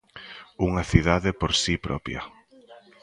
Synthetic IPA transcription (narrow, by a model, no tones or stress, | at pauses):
uŋɐθiðaðepoɾsipɾɔ̰pjɐ̰